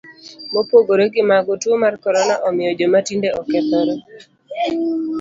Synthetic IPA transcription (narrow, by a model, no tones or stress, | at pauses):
mopoɡoɾeɡɪmaɡotuomarkɔɾɔnaʔɔmɪjɔd͡ʒomatindeɔkɛt̪ɔɾɔ